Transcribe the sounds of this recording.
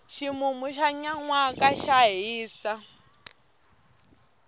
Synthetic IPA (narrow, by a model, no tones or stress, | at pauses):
ʃimumuʃaɲaŋwakʼaʃaɦiːsa